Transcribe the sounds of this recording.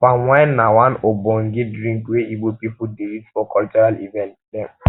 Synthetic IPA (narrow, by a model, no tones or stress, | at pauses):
fawanːawãnobɔ̃ŋ̩ɡɪdɾĩŋkweiɡ͡bopipudeɾitfɔkɔlt͡ʃɔɾalḭvɛ̃ntdɛ̃